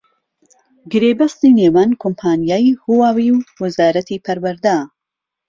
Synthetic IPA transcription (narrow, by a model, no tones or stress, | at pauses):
ɡɨɾeːbɐst̪ineːwankʰompʰaːnijaːjhuwaːwiwwɐzaːɾɐt̪ʰipʰɐɾwɐɾd̪a